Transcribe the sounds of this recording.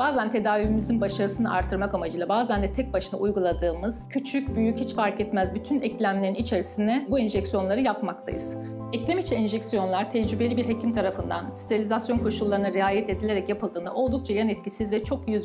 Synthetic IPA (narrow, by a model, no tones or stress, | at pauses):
baːzænt̪ʰe̞d̪aːvimizinbaʃaɾɯsɯnɯʔa̰ɾt̪ʰːɯɾmakamad͡ʒɯjlˠabaːzænd̪ɛt̪ʰɛc̚baʃɯna̰ʔujɡulˠad̪ɯːmɯz̥cʰyt͡ʃʰycbyjychit͡ʃfaɾkɛt̪mæzbyt̪ʰynɛclʲæmlʲe̞ɾinit͡ʃʰe̞ɾisind̪ɛbuinʒɛcsijo̞nlˠaɾɯjapmak̚t̪ʰa̰jɯ̰z̥ | ɛclʲemit͡ʃʰɛinʒɛcsijo̞nlˠaɾt̪ʰɛd͡ʒɾybe̞lʲibiɾɦecʰimt̪ʰaɾafɯnd̪a̰ni̥st̪ʰalʲizasjo̞nkʰo̞ʃulˠːaɾɯnɯɾɛaːjɛt̪e̞d̪ilʲeɾɛcjapʰɯlˠd̪ɯːnaʔo̞lˠd̪uk̚t͡ʃʰajanɛt̪̚cisizvɛt͡ʃʰo̞kjyz